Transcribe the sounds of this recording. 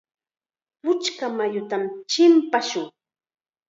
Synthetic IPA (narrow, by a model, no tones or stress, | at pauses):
pʊt͡ʃkamajʊt̪amt͡ʃɪmpaʃʊŋ